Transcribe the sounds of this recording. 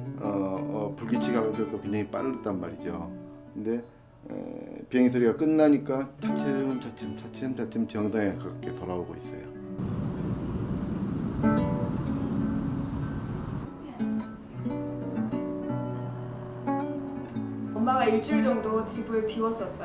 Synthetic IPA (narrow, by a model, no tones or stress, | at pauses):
ʌʌpuɭɡit͡ɕʰiɡalodot͈okeɲaŋip͈a̰ɾɯɾɯt̚t͈anmaɾid͡ʑokkɯnde̞̰ | pieŋsʰɯɾiɡak͈ɯnːaɲik͈at͡ɕat͡ɕʰeɯmt͡ɕat͡ɕʰɯmt͡ɕat͡ɕʰeɯmt͡ɕat͡ɕʰɯmt͡ɕiʌŋdaŋekaɡakʰetʌɾaoɡo̰is͈ʌ̰jo | ʌmmaɡaiɭt͡ɕ͈uid͡ʑʌŋdot͡ɕibuepiwʌs͈ʌs͈ʌ